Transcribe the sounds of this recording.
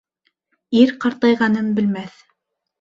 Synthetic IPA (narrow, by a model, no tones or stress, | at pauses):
iɾqɑɾt̪ˠɑjʁɑnɤnbɘ̆lmæθ